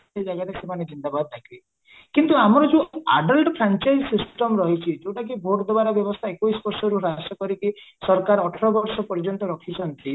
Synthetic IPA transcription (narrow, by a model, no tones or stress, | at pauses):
ed͡ʒaɡaɾesemaned͡ʒind̪abad̪ɔt̪ʰakʰibe | kint̪uamɔɾɔd͡ʒeaɖɔlʈɔpʰɾant͡ʃajd͡ʒsisʈɔmɾɔɦit͡ʃʰid͡ʒoʈak̬ibʱoʈd̪ɔbaɾɔbjɔbɔst̪ʰaekoisbɔɾsɔɾuɾasɔkɔɾikisɔɾkaɾɔʈʰeɾɔbɔɾsɔpɔɾd͡ʒɔnt̪ɔɾɔkʰit͡ʃʰɔnt̪i